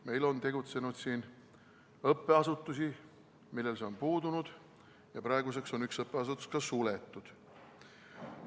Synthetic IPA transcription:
me̞jlo̞nt̪e̞ɡut̪se̞nud̪siːn | ɤpːe̞ɑsut̪ːˑusi | milːe̞lseo̞npuːd̪unud̪̥ | jɑpɾɑeɡus̬e̞kso̞nyksɤpːˑe̞ɑs̬ut̪ːˑu̥skɑsule̞t̪ːˑud̪̥

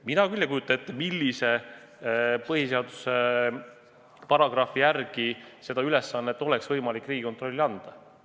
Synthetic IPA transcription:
minɑkylʲjɑkujut̪ːˑɑnet̪ːˑmilːise | pɤɦise̞ɑd̪̥u̥se | pɑɾɑɡ̥rɑfijærɡ̥ise̞d̪ɑyle̞sːɑnːeet̪ːˑo̞lɛksvɤjmɑlikːˑriːɡ̥ikot̪ro̞lʲːiɑnd̪̥ɑ

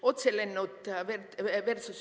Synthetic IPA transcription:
ot̪selenːut̪ʋerʋersus

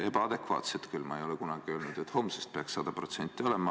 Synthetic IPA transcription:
e̞b̥ɑɑd̪e̞kvɑ̰ːt̪set̪kylmɑejo̞lɛkunɑɡ̥iø̞ːlnud̪̥et̪ːho̞msest̪̚peɑksɑd̪̥ɑpro̞t̪se̞nʲt̪ːˑio̞lemɑ

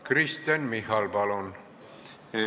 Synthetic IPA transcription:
krist̪enmihɑlbɑlon

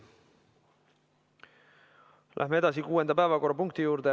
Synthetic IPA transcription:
lʔæ̰hmee̞t̪ɑsikuːend̪ɑpæevɑko̞rːɑpuŋkt̪ijuːɾt̪e

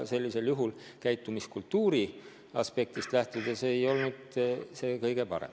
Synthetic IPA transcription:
se̞lʲːise̞ljuɦul | kæjt̪ːˑumiskult̪ːuːɾi | ɑspe̞k̚t̪ist̪læht̪ud̪̥ɑseːjo̞lnud̪̥se̞ːkɤjɡ̥e̞pɑ̰ɾḛm

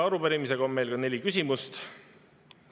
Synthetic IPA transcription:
ɑɾupeɾimise̞ɡ̥ɑomme̞jlkɑne̞lʲikysʲimust̪

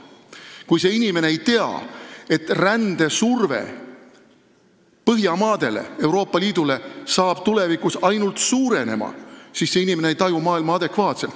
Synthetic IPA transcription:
kujse̞inime̞ne̞ejt̪e̞ɑ̰e̞t̪rænd̪̥e̞surve̞̰ | pɤɦjɑmɑːd̪̥e̞le̞̰e̞wɾo̞ːpːˑɑliːd̪ule̞sɑːb̥t̪ule̞vikˑusɑjnult̪suːɾe̞ne̞̰mɑ̰siːsse̞inimeneejt̪ɑjumɑːilmɑɑd̪e̞kvɑːt̪se̞lt̪

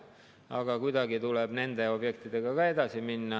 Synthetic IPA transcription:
ɑɡ̥ɑkujd̪ɑɡit̪uleb̥ne̞nd̪eo̞b̥jekt̪id̪e̞ɡ̥ɑkɑe̞d̪ɑsiminːɑ

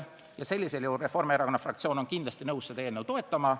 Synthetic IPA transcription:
jɑse̞lʲːise̞ljuːre̞fo̞rmeeɾɑko̞nːɑfrɑk̚t̪sio̞ːno̞nkind̪lɑst̪inɤwssed̪ɑeːlnewt̪o̞e̞t̪ːˑɑmɑ

